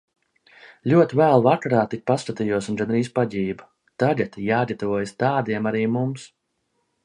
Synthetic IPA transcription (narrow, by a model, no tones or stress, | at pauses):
lʲuɔt̪ivælˠvakaɾaːt̪ik̚ʲpast̪at̪ijuɔsunɡanɾiːspaɟʲiːbu | t̪aɟʲɛt̪ijaːd̪ʲat̪vuɔjst̪aːd̪iɛmaɾiːmums